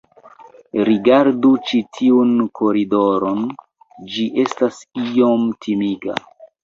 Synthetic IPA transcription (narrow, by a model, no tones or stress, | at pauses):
ɾiɡaɾdut͡ʃitʰiunkʰo̞ɾido̞ɾon | d͡ʒiʔe̞stasio̞mtʰimiɡa̰